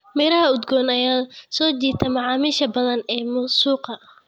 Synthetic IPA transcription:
mɪɾɐɦɐʊd̪ɡɔːnɐjaːsɔːt͡ʃiːt̪ʰɐmɑʕɑːmiːʃɐbɐðɐnɛːmʊsuːqɐ

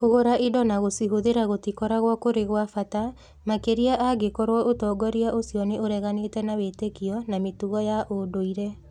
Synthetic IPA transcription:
oɣoɾaʔidɔnaɣosiɦoðeɾaɣotikɔɾaɣwakoɾeɣwafata | makeɾiaʔaɡekɔɾwɔʔotɔɡɔɾiaʔosjɔneʔoɾɛɣanetɛnawetekiɔnametuɣɔjaʔodoiɾɛ

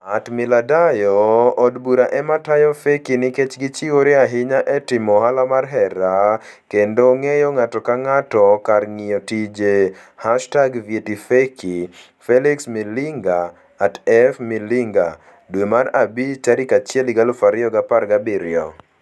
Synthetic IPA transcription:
atmɪladajɔːdbuɾaʔɛmatajɔfekinɪket͡ʃɡɪt͡ʃiwoɾeaɦɪɲaʔɛtɪmɔɦalamarɦɛɾa | kendoŋejɔŋatɔkaŋatɔkarŋɪjotid͡ʒe | haʃtaɡvjetifeki | fɛliksmilɪŋɡaː | tɛfmilɪŋɡa | dwemarabit͡ʃaɾɪkat͡ʃjeliɡalofaɾɪɔɡaparɡabiɾɪɔ̰

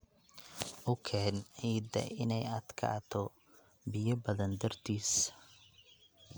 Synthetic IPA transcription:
ʔʊkʰɛːnʕiːd̪ɐ̰ʔɪ̰nɛjɐd̪kʰa̰ːt̪ʰɔ | bɪjɐbɐðɐnd̪ɐrt̪ʰiːs

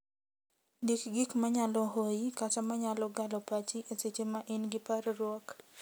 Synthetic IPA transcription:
dikɡikmaɲalɔɦojikatamaɲalɔɡalɔpat͡ʃiʔeset͡ʃemaʔinɡɪparrwɔk

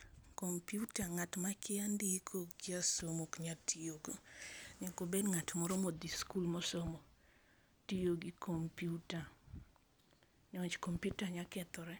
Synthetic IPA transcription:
kompiutaŋatmakɪandikʰoɡɪasomokɲatʰijoɡoɲakobedŋatmɔɾɔmod̪iskulmosomo | tijoɡikʰompjuta | ɲɔt͡ʃkompjutaɲakɛt̪ɔɾɛ

